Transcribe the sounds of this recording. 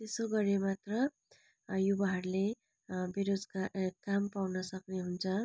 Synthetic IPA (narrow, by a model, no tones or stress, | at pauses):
t̪esoɡʌɾemat̪rʌ | jubaɦarle | beɾod͡zkakampawnʌsʌkneɦunt͡sʰʌ